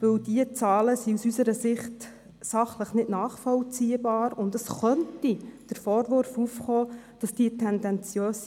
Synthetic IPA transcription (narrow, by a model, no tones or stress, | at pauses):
ʋɵwd̥iət͡sɑːləsiusysəɾəsɪχt | sɑχləχnɪdnɑːχfɔlt͡siːəbɑːɾʊndəsχœntid̥əɾfɔːɾʋʊɾfuːfχɔːd̥ɑsd̥iətʰɛndɛnt͡sjøːs